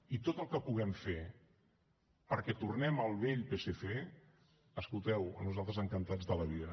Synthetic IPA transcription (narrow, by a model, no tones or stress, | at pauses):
it̪ot̪əlˠkəpuɣ̞ɛmfe | pəɾkɛt̪urnɛməlˠβeʎpeseθe | əskulˠt̪ɛwə̰nuzalˠt̪ɾəzəŋkənt̪ad͡zðələβ̞iðə